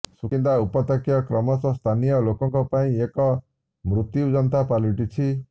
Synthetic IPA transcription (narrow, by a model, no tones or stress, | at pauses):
sukind̪aupɔt̪akjɔkɾɔmɔsɔst̪ʰanijɔlokɔŋkɔpaĩekɔ | mɾut̪jud͡ʒɔnt̪apaliʈit͡ʃʰi